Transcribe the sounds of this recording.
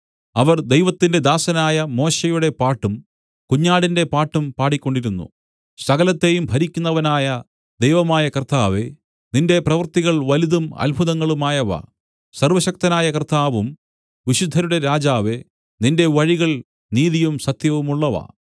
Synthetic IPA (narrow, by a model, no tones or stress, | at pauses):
ɐʋɐrd̪ejʋɐt̪ːinde̞d̪aːsɐnaːjɐmo̞ːɕejuɽe̞paːʈːum | kuɲːaːɽinde̞paːʈːumpaːɽikʲːo̞ɳɖiɾunːṵ | sɐɣɐlɐt̪ːe̞jumbʱɐɾikʲːunːɐʋɐnaːjɐ | d̪ejʋɐmaːjɐkɐrt̪aːʋe̞ | ninde̞prɐʋɐrt̪iɣɐɭʋɐliðumɐ̰lbʱuðɐŋːɐɭumaːjɐʋɐ̰ | sɐrʋɐɕɐk̚t̪ɐnaːjɐkɐrt̪aːʋum | ʋiɕud̪ʱːɐɾuɽe̞ɾaːd͡ʑaːʋe̞ | ninde̞ʋɐɻiɣɐɭ | niːðijumsɐt̪jɐʋumuɭːɐʋɐ̰